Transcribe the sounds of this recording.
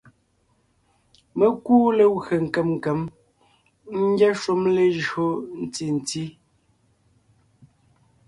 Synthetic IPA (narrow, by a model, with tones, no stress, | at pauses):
me˦kuː˦le˨ɣe˨ŋ̩˨kɛ˨mŋ̩˨kɛ˨˦m | ŋ̩˦ɡɛ˦ʃu˦mle˨ʒɰo˦n̩˨ti˦˨n̩˨ti˦